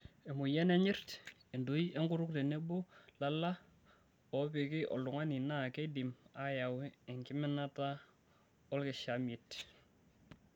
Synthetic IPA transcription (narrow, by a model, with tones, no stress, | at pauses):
ɛ˨mʊ˨jɛ˦nɛ˦ɲɪ˦rtɛ˨ndu˦jɛ˦ŋɡʊ˦ɾʊ˦k̚te˨ne˦bʊ˦la˦la˦ | ɔ˨pɪ˨kɪ˦ʔɔ̰˨ldʊ˨ŋa˦nɪ˨na˦ke˦dɪ˨ma˦ja˨wɛː˦˨ŋkɪ˦mɛ˦na˦ta˦ | ɔ˦lkɪ˨ʃa˨mɪ˨t